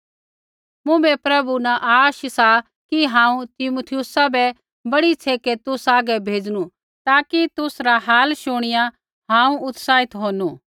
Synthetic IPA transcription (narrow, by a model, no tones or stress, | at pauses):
mũbɛpɾɐbunãʔaːʃsa | kiɦãːũt̪ɪmut̪ʰɪjʊsabɛ | bɐɽit͡sʰeːket̪ʊsaːɡɛbʱeːd͡zñũ | t̪aːkit̪ʊsɾaɦaːlʃʊɽ̃ɪjã | ɦãːũʊt̪saːɪt̪ɦoːnuː